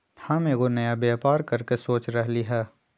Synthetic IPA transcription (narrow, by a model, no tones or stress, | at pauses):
hãːmeɡonɐjabjaːpaːɾkɐɾkesoːt͡ʃɾɐɦliɦɛː